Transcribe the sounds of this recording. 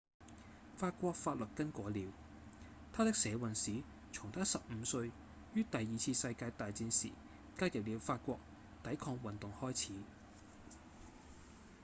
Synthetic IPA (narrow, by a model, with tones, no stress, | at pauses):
faː˧t̚kʷɔː˧k̚faː˧t̚lɵ˨t̚kɐ˥nkʷɔː˨˥liː˨˧w | t̪ʰaː˥t̪ɪ˥k̚sɛː˨˥wɐ˨nsiː˨˥ | t͡sʰʊ˨˩ŋt̪ʰaː˥sɐ˨p̚m̩ː˨˧˦sɵ˧ɥ | jyː˥t̪ɐ˨jiː˨t͡sʰiː˧sɐ˧jkaː˧jt̪aː˨jt͡siː˧nsḭː˨˩ | kaː˥jɐ˨˩p̚liː˨˧wfaː˧t̚kʷɔː˧k̚ | t̪ɐ˨˥jkʰɔː˧ŋwɐ˨nt̪ʊ˨ŋhɔː˥jt͡sʰiː˨˥